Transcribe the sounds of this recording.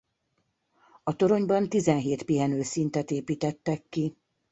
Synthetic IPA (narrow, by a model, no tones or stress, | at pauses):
ɒt̪o̞ɾo̞ɲbɒnt̪izɛnɦeːt̪piɦɛnøːsint̪ɛt̪eːpiːt̪ɛt̪ːɛk̪ːi